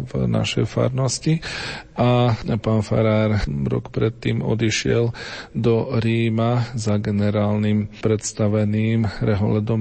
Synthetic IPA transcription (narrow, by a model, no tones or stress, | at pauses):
vna̰ʃɛjfa̰ɾnɔsciʔapaːnfa̰ɾaːɾɾɔ̰kpɾɛt̪ːiːmɔ̰d̪iʃɪɛld̪ɔɾiːmazaɡɛnɛɾaːlnimpɾɛt̪st̪aʋɛniːmɾɛɦɔlɛd̪ɔm